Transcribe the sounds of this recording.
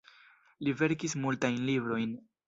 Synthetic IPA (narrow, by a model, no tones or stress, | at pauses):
live̞ɾkismultajnlibɾo̞jn